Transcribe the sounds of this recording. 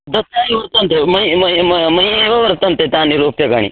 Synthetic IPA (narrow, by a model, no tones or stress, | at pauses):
d̪ɐsjaːɦiʋɐɾt̪ɐnt̪ʰemɐimɐmɐieʋɐʋɐɾt̪ɐmt̪et̪ãniɾuːpjɐka̰ɽḭ